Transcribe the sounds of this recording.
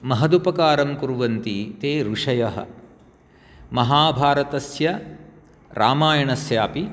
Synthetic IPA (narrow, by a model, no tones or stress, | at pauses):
mɐɦɐd̪upɐkaːɾɐmkuɾuʋɐnt̪it̪eːɾuʂɐjɐɦɐ̰ | mɐɦaːbʱaːɾɐt̪ɐsjɐ | ɾʔa̰ːmaːjɐɳɐsjaːpi